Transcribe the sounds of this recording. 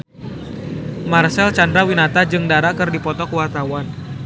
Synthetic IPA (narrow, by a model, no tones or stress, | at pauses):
marsɛlt͡ʃandɾawinat̪ad͡ʒɨŋdaɾakɨrdipɔt̪ɔkuwart̪awan